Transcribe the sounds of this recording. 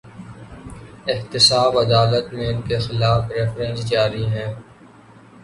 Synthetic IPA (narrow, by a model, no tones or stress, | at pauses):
ɪht̪ɪsaːbɐd̪aːlət̪mẽɪnkexɪlaːfɾɪfɾɛ̃nsd͡ʒaːɾiɦɛ̃ː